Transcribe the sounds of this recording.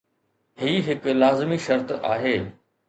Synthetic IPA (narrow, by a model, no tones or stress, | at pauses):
ɦiːɦɪklaːzmiʃɐɾt̪a̰ːɦeː